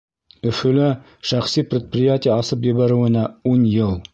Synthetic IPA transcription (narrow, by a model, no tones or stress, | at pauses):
ɵ̆fɵ̆lɘ | ʃæχsipɾʲɪt̪̚prʲɪjatʲɪjaɑsɤp̬jɘ̆βæɾɘ̆wɘ̆næunjɤlˠ